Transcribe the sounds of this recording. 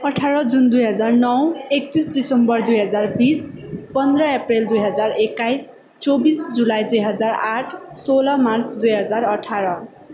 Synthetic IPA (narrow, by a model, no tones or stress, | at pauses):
ʌʈʰaɾʌd͡zund̪ujɦʌd͡zarnʌwek̚t̪isɖisʌmbʌrd̪ujɦʌd͡zarbis | pʌnd̪rʌepreld̪ujɦʌd͡zarekːajs | t͡sobisd͡zulajd̪ujɦʌd͡zaraʈʰsolʌmart͡sd̪ujɦʌd͡zarʌʈʰaɾʌ